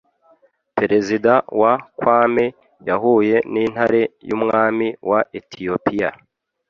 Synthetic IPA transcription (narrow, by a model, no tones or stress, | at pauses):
pe̞ɾe̞zidawakwaːme | jaɦuːje̞niːn̥haɾe̞jṵmŋaːmiwʔaʔetʰijopʰija